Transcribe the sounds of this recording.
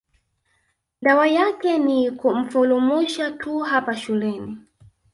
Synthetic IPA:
dawajakɛnikum̩fulumuʃatʰuɦapaʃulɛni

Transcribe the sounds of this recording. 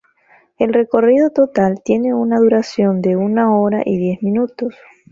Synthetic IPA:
e̞lre̞ko̞rið̞o̞t̪o̞t̪alt̪je̞ne̞unaðuɾasjo̞nd̪e̞unaoɾaʔiðje̞zmĩnut̪os

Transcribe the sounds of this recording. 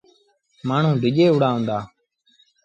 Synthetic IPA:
maːɳ̤ũːd̪ɪʄeːʊɽaːɦõːnd̪aː

